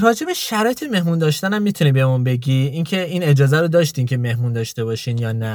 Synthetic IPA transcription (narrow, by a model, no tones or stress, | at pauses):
rɒːd͡ʒe̞beʃæɾɒːjet̪ʰeme̞hmund̪ɒːʃt̪ænæmːiːt̪ʰuniːbemunbe̞ɟiːincʰe̞iːne̞d͡ʒɒːzæɾod̪ɒːʃ̬t̪incʰe̞me̞hmund̪ɒːʃt̪e̞bɒːʃiːnjɒːnæ